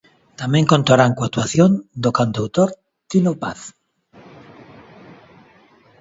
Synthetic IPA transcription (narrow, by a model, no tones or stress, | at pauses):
t̪amẽŋkont̪aɾaŋkwakt̪waθjond̪okand̪awt̪oɾ | t̪inopaθ